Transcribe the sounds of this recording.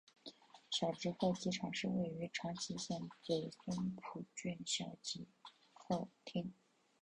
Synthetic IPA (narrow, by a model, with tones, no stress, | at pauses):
ɕjɑ˨˩ʊt͡ɕi˧˥xwo˥˩ʊt͡ɕi˧˥ʈ͡ʂʰɑ˨˩ŋʂɻ̩˥˧we˥˩ɪy˧˥ʈ͡ʂʰɑ˧˥ŋt͡ɕʰi˧˥ɕjɛ˥˩nt͡se˧˨˩ɪsʰɛ˥npʰu˨˩t͡ɕy˥˩nɕjɑ˨˩ʊt͡ɕi˧˥ | xo˥˩ʊt̪ʰi˥ŋ